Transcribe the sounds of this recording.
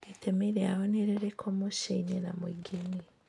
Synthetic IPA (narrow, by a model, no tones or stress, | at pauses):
etʰemeɾeaɣoneɾeɾekʰomoʃainenamwiɡeni